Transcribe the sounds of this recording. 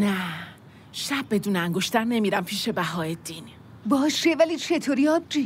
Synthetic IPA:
næ | ʃæb̚ːe̞d̪uːneæŋɡoʃt̪ʰæɾne̞miːɾæmpʰiːʃe̞bæɦɒːed̪̥in | bɒːʃevælit͡ʃʰet̪ʰoɾiɒb̚d͡ʒi

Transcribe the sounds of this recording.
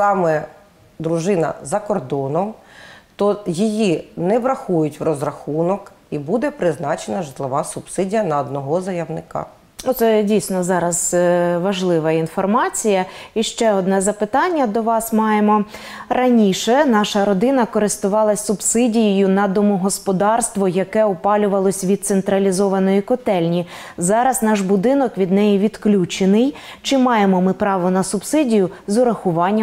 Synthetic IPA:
sɑmɛ | d̪ɾuʒɪnɐ̰zɐkɔrd̪ɔnɔmt̪ɔjijinɛʋɾɐxujʊtʲʋrɔzɾɐxunɔkibud̪ɛpɾɪznɑt͡ʃenɐʒɪt̪lˠɪʋɑsʊb̥sɪdʲijɐnɐɔd̪nɔɦɔzɐjɐʋnɪkɑ̰ | ut̪sɛdʲijsʲnɔzɑɾɐzʋɐʒlˠɪʋɐinfɔrmɑt͡sʲijɐiʃt͡ʃɛɔd̪nɛzɐpɪt̪ɑnʲːɐd̪ɔʋɑsmɑjemɔ | rɐnʲiʃɛnɑʃɐɾɔd̪ɪnɐkɔɾɪst̪ʊʋɑlˠɐsʲsʊbsɪdʲijijʊnɐd̪ɔmʊɦɔspɔd̪ɑrst̪ʋɔjɐkɛʊpɑlʲʊʋɐlˠɔsʲʋʲid̪̚t̪sent̪ɾɐlʲizɔʋɐnɔjikɔt̪ɛlʲnʲi | zɑɾɐznɑʃbʊd̪ɪnɔkʋʲid̪nɛjiʋʲid̪klʲut͡ʃenɪj | t͡ʃɪmɑjemɔmɪpɾɑʋɔnɐsʊbsɪdʲijʊzʊɾɐxʊʋɑnʲːɐ

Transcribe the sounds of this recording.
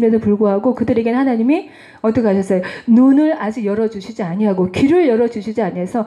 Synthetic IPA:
mjʌnɯɭpuɭɡoɦaɡokɯdɯɾe̞ɡenhanaɲimi | ʌt͈ʌkeaɕʰʌs͈ʌjonunɯɭad͡ʑiɡjʌɾʌd͡ʑuɕʰid͡ʑiaɲiɦaɡokiɾɯɭjʌɾʌd͡ʑuɕʰid͡ʑiaɲesʰʌ

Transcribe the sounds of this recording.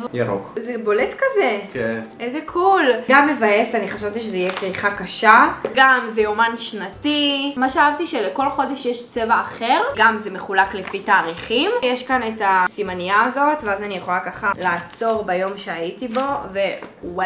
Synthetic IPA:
jaʁo̰kzebo̞letkazekeʔezekʰulɡamːevaje̞saniχaʃavt̪iʃezeijekʁiχakaʃaɡamzejomanʃnatimaʃeaavtiʃeleko̞lχo̞deʃjeʃt͡se̞vaːχe̞ʁɡamzemeχulaklefitaːʁiχimjeʃkanetasimanijaːzo̞tveazanijeχo̞lakaχalaːt͡so̞ʁbajo̞mʃeaitibo̞ve̞wa

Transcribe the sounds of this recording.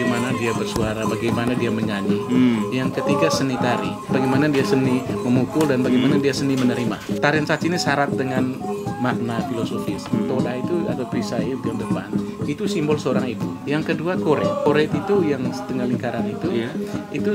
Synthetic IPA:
manadiabərsuaɾabaɡajmanadiaməɲaɲijaŋkət̪iɡasənit̪aɾḭ | baɡimanadiasəniməmukʊldanbaɡijmanadiasənimənəɾima̰t̪aɾinsat͡ʃinisaɾat̪̚dəŋanmak̪̚nafilosofɪst̪odait̪ua̰t̪awpɾisaiunt̪ʊdəpa̰nit̪usimbɔlsəoɾaŋit̪ujaŋkəduakoɾɛt̪̚koɾɛt̪it̪ujaŋsətəŋaliŋkaɾanit̪uit̪u

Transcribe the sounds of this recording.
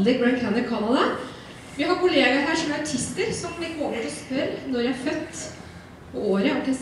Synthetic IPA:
d̪ɪk̚bɹænkʰænəkʰɑnɑd̪ɑ | ʋɪhɑɾkʊleːɡɑɾɦæːʂɔmjæɾɑʈʰɪst̪əɾsɔmlɪk̪ːoːpət̪ɔspœɾnɔɾjææɾfœt̪ː | pʰɔoːɾəɔkɛs

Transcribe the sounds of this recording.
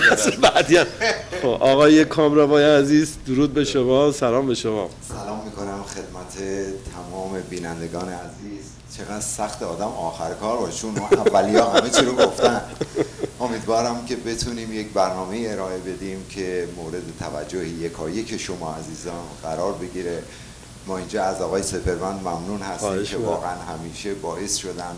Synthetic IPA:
sbæʔd̪iænxobʔɒːɣɒːjekʰɒːmɾævɒːjeæziːzd̪uɾuːd̪̚be̞ʃomɒːsælɒːmbe̞ʃomɒ̰ːssælɒːmːiːkʰo̞næmxe̞d̪̥̚mæt̪ʰet̪ʰæmɒːme̞biːnænd̪eɡɒːneæziːz | t͡ʃʰe̞ɣæd̪̥sæxt̪ʰeɒːd̪æmɒːxæɾekʰɒːɾbɒːʃt͡ʃʰunævːælijɒːɦæmet͡ʃʰiɾoɡoft̪æn | o̞miːd̪vɒːɾæmcʰe̞be̞t̪ʰuːniːmjecbæɾnɒːme̞iːe̞ɾɒːe̞be̞d̪imcʰe̞moːɾe̞d̪e̞t̪ʰævæ̰d͡ʒːohejekʰɒːje̞cʰeʃomɒːæziːzɒːnɣæɾɒːɾbe̞ɡiːɾe | mɒːind͡ʒɒːæzɒːɣɒːjesefeɾmænd̪mæmnuːnhæst̪iːkʲʰevɒːɣeænɦæmiːʃe̞bɒːʔe̞sʃo̞d̪ænd̪

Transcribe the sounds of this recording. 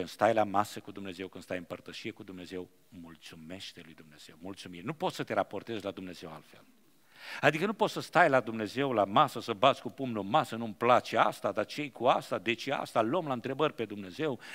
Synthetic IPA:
ɨnst̪ajlamasəkud̪umne̞ze̞wkɨnd̪st̪ajɨmpərt̪əʃijekud̪umne̞ze̞w | mult̪sume̞ʃt̪e̞lujd̪umne̞z̥e̞wmult̪sumirnupo̞t̪sət̪e̞ɾapo̞rt̪e̞zʲlad̪umne̞ze̞wa̰lt̪fe̞̰l | ad̪ikənupo̞t̪səst̪ajlad̪umne̞ze̞wlamasəsəbat̪zʲkupumnomasənumplat͡ʃea̰st̪ad̪at͡ʃejkuast̪ad̪e̞t͡ʃea̰st̪aləmlaɨnt̪ɾe̞bərʲpe̞d̪umne̞ze̞w

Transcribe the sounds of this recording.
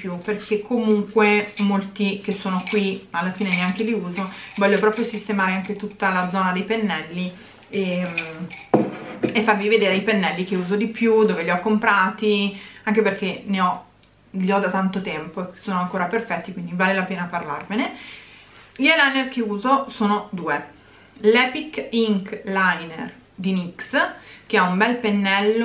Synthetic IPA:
pjuperkʰekʰːomuŋkwemolt̪ik̟esːoːnokwialːafiːneneaŋk̟eliuːzovɔʎːopɾɔːpɾjosist̪emaːɾeaŋk̟et̪ut̪ːalad̪zɔːnad̪ejpenːɛlːi | e | efːarvived̪eːɾeaipenːɛlːikeuːzod̪ipjud̪oːveliɔkːompɾaːt̪iaŋk̟eperk̟eneɔ | ʎiɔd̪at̪ant̪ot̪ɛmpoeke̥sːoːnoaŋkoːɾaperfɛt̪ːikwind̪ivaːlelapeːnaparlarmene | ʎelajnerk̟euːzosoːnod̪uːe | lɛːpikːiŋklajnḛr | d̪iniksk̟eaumbɛlpenːɛlːo

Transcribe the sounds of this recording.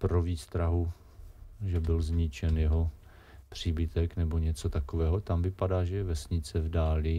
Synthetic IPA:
pɾoviːst̪ɾaɦu | ʒɛbɪlzɲɪt͡ʃɛnjɛɦo | pr̝̥iːbɪt̪ɛknɛbo̞ɲɛt͡sot̪akovɛːɦo̞t̪amvɪpadaːʒɛjɛvɛsɲɪt͡sɛvdaːlɪ

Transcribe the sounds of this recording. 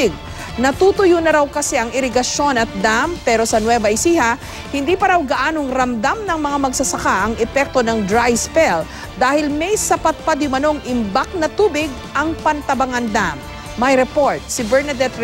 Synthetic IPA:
ɪɡ̚ | nɐt̪uːt̪ʊjunɐɾawkɐsɛʔɐŋʔɪɾɪɡɐʃo̞nɐt̪̚d̪ampɛːɾo̞sɐnwɛvɐʔɪsiːhɐ | hɪnd̪iːpɐɾawɡɐʔaːnoŋɾɐmd̪amnɐŋmɐŋamɐɡsɐsɐkaʔɐŋɛpɛk̚t̪o̞nɐŋd̪ɾajspɛl | d̪aːhɪlmɛjsɐpat̪̚pad̪ʊmɐno̞ŋɪmbak̚nɐt̪uːbɪɡ̚ʔɐŋpɐnt̪ɐbɐŋand̪amː | ɐjɾɛpoɹt̪̚sɪbɛɹnɐd̪ɛt̪

